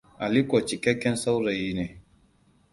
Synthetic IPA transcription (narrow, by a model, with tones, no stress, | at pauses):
ʔa˨li˦kʷo˨t͡ʃi˨kʲɛ˦kʲːɛ˦nsa˦wɾa˨jiː˦neː˨